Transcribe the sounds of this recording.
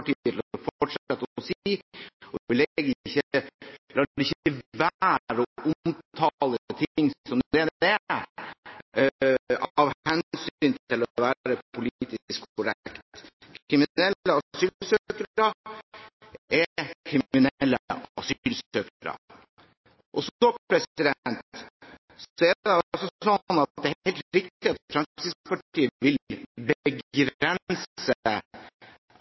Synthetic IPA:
ʈiəlfɔʈʂɑt̪ːsi | ɔlɛɡçəlɑːɖɪçəʋæɾɔʔʊmt̪ʰɑlət̪ʰɪŋːsɔmd̪ed̪ɛ | ɑʋhɛnsyːnt̪ɪlɔʋæːɾəpʰʊlit̪ɪskkʰʊɾɛkt̪kʰɾɪmɪnɛlːəɑsyːlsøkəɾɑ | ɛkʰɾɪmɪnlːəɑsylsøːkɾɑ̰ | ʔɔsoːpʰɾɛsɪd̪ɛnt̪ | sɔɛɛɑsɔsɔnːɑt̪d̪ɛæhhɛɪlt̪ɾɪk̚t̪ɪɑt̪fɾɛmssɪspɑʈiːəʋɪlbəɡɡɾɛnsə

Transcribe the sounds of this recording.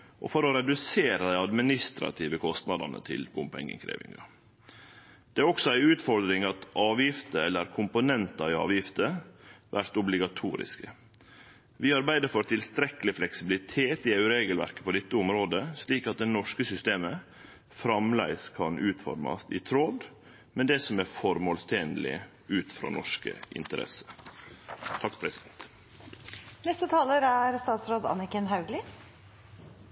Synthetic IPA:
ʔɔ̰fɔɾɔɾɛd̪ʉseːɾəd̪æɪɑd̪mɪnɪst̪ɾɑ̰t̪ʰiːʋəkʰɔst̪nɑd̪ɑ̰nə̰t̪ʰɪ̰lbʊmpɛ̰ŋːɪ̰ŋkʰɾḛːʋɪ̰ŋɑ̰ | d̪̥ɛæɾɔksɔæɪʉːt̪fɔɾd̪ɾɪŋɑt̪ʔɑːʋjɪft̪əɛlːəɾkʰʊmpʊnɛnt̪ɑɪɑ̰ːʋjɪft̪əʋæɾt̪ʊblɪɡɑt̪ʰuːɾɪ̰skə | ʋɪɑɾbæɪd̪əɾfɔɾt̪ʰɪlst̪ɾɛkəlɪflɛksɪbɪlɪt̪ʰeːt̪ɪæʉɾeːɡəlʋæ̰ɾkə̥pʰɔd̪ɛt̪ːəʊmɾoːd̪əsliːkɑt̪̚d̪ɛnɔʂkəsʏst̪eːmə | fɾɑmlæ̰ɪskʰɑnʔʉːt̪fɔ̰ɾmɑ̰st̪ɪt̪ʰɾod̪ | mɛnd̪ɛsɔmæɾfɔɾmoːlst̪ʰeːnlɪ̰ | ʉːt̪fɾɑ̰ːnɔʂkə̰ʔɪ̰nt̪əɾɛ̰sə̥ | t̪ʰɑkːpʰɾɛsɪd̪ɛnt̪ | nɛst̪ət̪ʰɑːləɾæɾst̪ɑːt̪sɾoːd̪ɑ̰nɪkənɦɑʉɡlɪ

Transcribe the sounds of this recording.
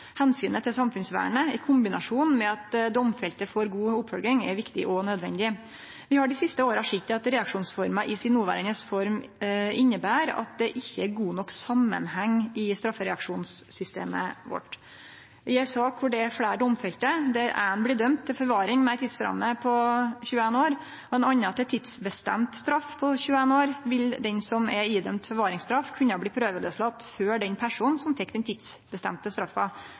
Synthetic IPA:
hɛnsyːnət̪ʰɪlsɑmfʉnsʋæ̰ːɳəɪkʰʊmbɪnɑʂuːnmɛɑt̪d̪ɔmfɛlt̪əfɔɾɡuːʊpːfœlɡɾɪŋɛ̰ɾʋɪkt̪ɪ̰ʔɔnœd̪ʋɛ̰nd̪ɪ | ʋɪhɑɖɪsɪst̪əoːɾɑʂɪt̪ːɑt̪ɾɛɑkʂuːnsfɔɾmɑʔɪsɪnːuːʋæ̰ːɾənəsfɔɾmɪnːəbæːɾɑ̰t̪̚d̪ɛʔɪçːəæɾɡuːnɔkːsɑmːə̰nhɛŋːɪst̪ɾɑfːəɾɛɑkʂuːnsːʏst̪ḛːmə̰ʋɔ̰ʈː | æsɑːkʰʊɖɛæfɽæːɖɔmfɛlt̪əd̪ɛæɾæ̰nblɪd̪œmt̪ʰːɪlfɔɾʋɑːɾɪŋmɛæt̪ʰɪd̪sɾɑ̰mːəpʰɔçʉːəeːnoːɾ | ɔɛnɑnːəɑt̪̚d̪ɛt̪ʰɪd̪sbəst̪ɛ̰mt̪st̪ɾɑfːpʰɔçʉːəeːnoːɾʋɪld̪ɛnsɔmɛiːd̪œmt̪fɔɾʋɑːɾɪŋst̪ɾɑfːkʰʉnɑbliːpʰɾøːʋələslɑt̪ːføːɖɛnpʰæʂuːnn̩sɔmfɛkːd̪ɛnt̪ʰɪt̪sbəst̪ɛmt̪əst̪ɾɑfːɑ

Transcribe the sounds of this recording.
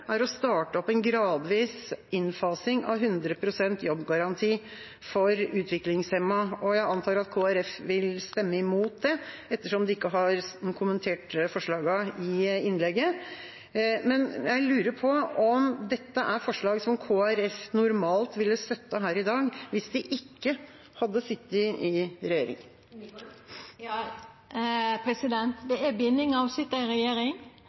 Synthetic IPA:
æɾɔst̪ɑːʈəɔpːɛnɡɾɑːd̪ʋiːsɪnfɑːsɪŋɑ̰ʋɦʉnd̪ɾəpʰɾʊsɛnt̪jɔbːɡɑɾɑnt̪ʰiː | fɔɾʉːt̪ʰʋɪklɪŋsɛmːɑɔjæɪɑnt̪ʰɑːɾɑt̪kʰoːæɾɛfʋɪlst̪ɛmːəɪmuːt̪̚d̪ɛɛt̪ːəʂɔmd̪ɛɪkːəɦɑɾkʰʊmənt̪ʰeːʈfɔʂɭɑːɡɑɪɪnlɛɡːə | mɛnjæɪlʉːɾəɾpʰɔɔmd̪ɛt̪ːəʔæɾfɔʂɭɑːɡsɔmkʰoːæɾɛfnʊɾmɑːlt̪ʋɪlːəst̪œt̪ːəɦæːɾɪd̪ɑːɡʋɪsd̪ɪʔɪkːə | hɑd̪ːəsɪt̪ːɪɪɾɛjeːɾɪ̰ŋ | pʰɾɛsɪd̪ɛnt̪d̪ɛæbɪnːɪŋɑʋsɪt̪ːæɪɾɛjeːɾɪŋ

